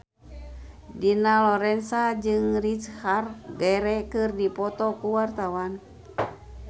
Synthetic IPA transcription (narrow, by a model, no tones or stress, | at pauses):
dinalɔɾɛnsad͡ʒɨŋrit͡ʃharɡɛɾɛkɨrdipɔt̪ɔkuwart̪awan